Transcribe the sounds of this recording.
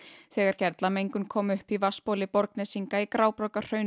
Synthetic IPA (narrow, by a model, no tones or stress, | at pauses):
θɛːɣaɾ̥cɛɾt̪lamejŋkʏmkʰɔːmʏhpivaspowlɪpɔɾknɛsiŋkaikɾaːwpɾɔwkar̥œɥn